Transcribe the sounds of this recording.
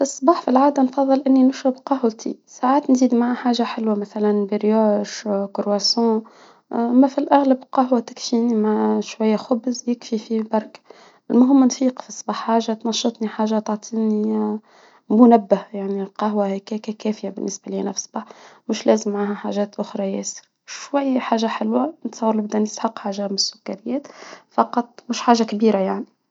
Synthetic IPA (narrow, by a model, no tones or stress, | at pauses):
ɨsˤːbɑːħfilʕaːd̪ænfɑðˤːɨlʔɪnːinʊʃɾɑbqɑɦwt̪ʰḭsaʕaːt̪nziːd̪maʕaħaːʒaħɪlwamæθælænbiɾjoːʃkʊɾwæsõː | ʔæmːæfilʔæɣlabqɑɦwat̪ɪ̥kfiːnimaʕʃwæjːæxʊbzjɪkfifibɑɾˤk | ɪlmʊɦɪmːnfiːqfisˤbɑːħːaːʒat̪nɑʃːɑt̪ˤniħaːʒat̪ɑʕt̪ˤʰiːni | mʊnæbːahjaʕnilqɑɦwahikækækæːfjabɪnːɪsbaliːnæfsbɑħmʊʃlɛːzəmːʕahæħaʒɛːt̪ʔʊxɾˤɑjɛːsə̥ɾ | ʃwæjːħaːʒaħɪlwant̪sˤɑwːɾlɪbd̪ænəst̪ħɑqħaːʒamnɪsːʊkːaɾɪjːæːt̪fɑqɑt̪ˤmʊʃħaːʒakbiːɾajaʕni